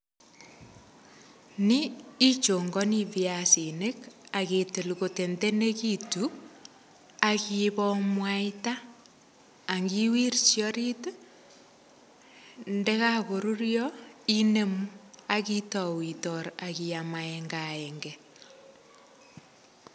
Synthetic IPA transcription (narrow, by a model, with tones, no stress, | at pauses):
niː˦t͡ʃo˨ŋɡɔ˦ni˦βjasi˨ne˦ka˨ɣe˨te˨luɣo˨te˨nde˦ne˦ɣitu | aɣiβɔmwai˦ta˦˨ | ŋɡi˦wi˦ɾisjɔɾi˦t | ndɛ˦ɣaɣo˨ɾu˦ɾjɔi˦ne˦mua˦ɣitɔ˨witɔ˨ɾa˨ɣi˨a˨maɛŋɡaɛŋɡɛ